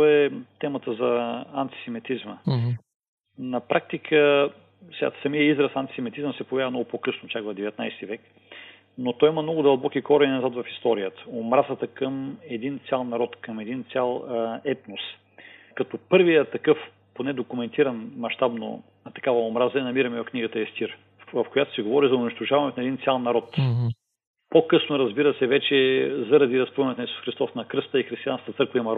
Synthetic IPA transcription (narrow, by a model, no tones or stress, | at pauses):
ɛt̪ɛmət̪əzɐɐnt̪i̥sɛmit̪izmə | nɐpɾʔak̚t̪ikʰə | sasɐmijəizɾəsɐnt̪i̥sɛmit̪izəmsɛpovʲjaəmnɔɡʊpokɤsnot̪jaɡvəd̪ɛvɛt̪najst̪ivɛk | not̪ɔjiməmnɔɡʊd̪ɐlˠbɔkikɔɾəinɐzat̪vɐfist̪ɔɾijət̪ə̥omɾazət̪əkəmɛd̪int̪sʲalˠnɐɾɔt̪kɐmɛd̪int̪sʲalˠɛt̪nos | kɐt̪ɔpɤɾvijət̪ɐkɤf | ponɛd̪okʊmɛnt̪iɾɐnmɐʃt̪abno̰ | t̪ɐkavɐomɾazəɛnɐmiɾɐmɛɐfkniɡət̪əɛst̪iɾ | vɐfkojat̪oʊsɛɡovɔɾizɐʊniʃt̪ʊʒavɐnɛt̪nɐɛd̪int̪sʲjalˠnɐɾɔt̪ | pokɤsnoɾɐzbiɾəsɛvɛt͡ʃɛzɐɾɐd̪iɾɐspˠɛnɛt̪nɐisu̥sxɾist̪ɔsnɐkɾəst̪əixɾist̪ijãnkət̪ət̪sɤɾkvɐimɐɾ